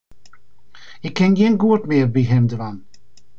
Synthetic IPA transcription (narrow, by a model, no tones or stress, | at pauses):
ɪkʰːɛnjiənɡuətmɪːrbiɦɛmdəvan